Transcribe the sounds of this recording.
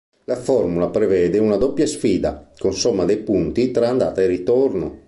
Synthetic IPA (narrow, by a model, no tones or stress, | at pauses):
lafɔrmulapɾevɛːd̪eunad̪ɔpːjasfiːd̪a̰konsɔmːad̪ejpunt̪it̪ɾaːnd̪a̰ːt̪airit̪orno